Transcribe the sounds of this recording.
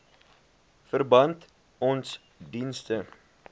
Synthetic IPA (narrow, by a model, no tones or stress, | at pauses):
fərbɐnt | ɔns | dinstə